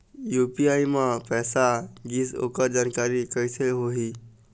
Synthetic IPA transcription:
juːpiaimãpɛːsaɡiːso̰kəd͡ʒankaɾikəjsʰelɦoɦi

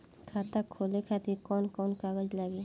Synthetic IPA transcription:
kʰaːt̪akʰoːlekʰat̪ikɔːnkɔːnkaɡəd͡ʒlaɡe

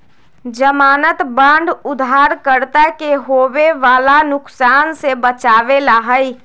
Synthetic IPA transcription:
d͡ʒəmaːnət̪bə̃ːɳɖʊd̪ʱaːɾkəɾt̪akeɦoːweʋaːlanʊksaːnsebət͡ʃaːʋelaɦəi

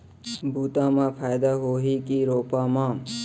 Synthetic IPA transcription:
bʱuːt̪ãːmãːpʰaːjd̪aɦoːɦikiːɾoːpãːmãː

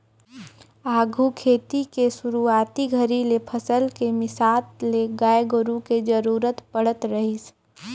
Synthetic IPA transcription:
aːɡʱukʰeːt̪ikesuɾuaːt̪iɡʱəɾilepʰəsəlkemɪsaːt̪leɡaːjɡəɾũked͡ʒəɾuːɾət̪pəɽ̤ət̪ɾəɦis

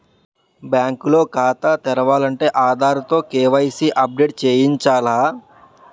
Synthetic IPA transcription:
bjaːŋkuloːkaːt̪at̪ɛɾɐʋaːlɐɳʈeːʔaːd̪ʱaːɾut̪oːkeːʋɐjsiʔɐp̚ɖeːʈ̚t͡ʃeːjiɲt͡ʃaːlaː

